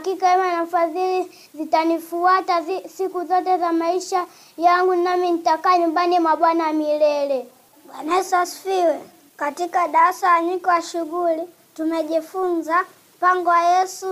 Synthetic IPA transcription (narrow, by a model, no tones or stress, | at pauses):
kikawɛmanafazili | zitanifuatasikuzɔtɛzamaiʃa | jaŋɡunaminitakaːɲumbanimwaɓwanamilɛlɛ | ɓwanaɛsasfiwɛ | katikaɗaasaaɲikɔwaʃuɣuli | tumɛʄifunzam̩paŋɡɔwajɛsu